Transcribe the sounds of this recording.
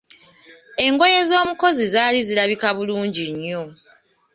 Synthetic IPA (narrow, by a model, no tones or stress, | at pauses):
e̞ŋɡo̞je̞zo̞ːmuko̞zizaːlizilaβikaβuluːɲɟiɲːo̞